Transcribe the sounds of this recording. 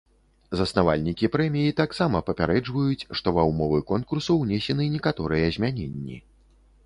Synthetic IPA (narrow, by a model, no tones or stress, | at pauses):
zɐsnavalʲnʲikʲipɾɛmʲijit̪aksamɐpɐpʲaɾɛd͡ʐvɐjut͡sʲʂt̪ɔvɐwmɔvɨkɔnkursɐwnʲesʲɛnɨnʲɛkat̪ɔɾɨjɐzʲmʲanʲenʲːḭ